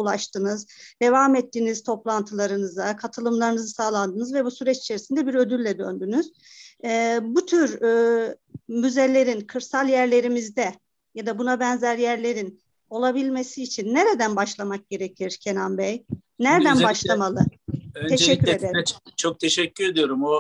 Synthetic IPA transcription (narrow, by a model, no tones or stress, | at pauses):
ulˠaʃt̪ʰɯnɯzd̪̥e̞vaːmɛt̪ʰːiniz̥t̪ʰo̞plˠant̪ʰɯlˠaɾɯnɯzakʰat̪ʰɯlˠɯmlˠaɾɯnɯzɯsaːlˠand̪ɯnɯzvɛbusyɾɛt͡ʃi̥t͡ʃʰeɾisind̪ɛbiɾø̞d̪ylʲːɛd̪ø̰nd̪ynyz̥ | but̪ʰyɾː | myze̞lʲe̞ɾinkʰɯɾsalˠjæɾlʲe̞ɾimizd̪ɛ | jad̪abunabɛnzæɾjæɾlʲe̞ɾin | o̞lˠabilʲme̞siːt͡ʃʰinːeɾed̪ænbaʃlˠamak̚ɟ̥e̞ɾecʰiɾ̥cʰenambɛj | næɾd̪ænbaʃlˠamalˠɯt̪ʰeɛcːyɾed̪eɾt͡ʃʰok̚t̪ʰeʃɛcːyɾed̪ijo̞ɾumo